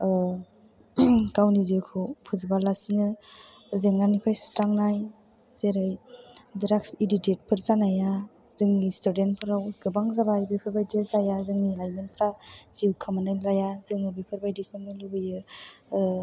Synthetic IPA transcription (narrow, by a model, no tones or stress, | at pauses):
kawniziwkʰɯwpʰɯzibalasiŋɯ | zeŋnanipʰajsu̥sɾaŋnaj | z̥eɾɯjdiɾaksididet̚pʰɯɾzanaja | zɯŋnistudentpʰɯɾawɡɯbaŋzabajbipʰɯɾbajdezajazɯŋnilajmenpʰɾaz̥iwkʰɯmanajlajazɯŋɯbipʰɯɾbajdikʰɯmnɯlubɯjɯ